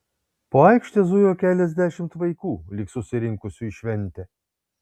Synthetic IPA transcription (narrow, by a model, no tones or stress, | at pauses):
poːɐɪkʃʲt̪ʲeːzʊjoːkʲæːlʲɛzʲd̪ʲæʃʲɪmt̪ʋɐɪkuːlʲɪksʊsʲɪɾʲɪŋkʊsʲuɪʃʲʋʲɛnʲˑt̪ʲɛ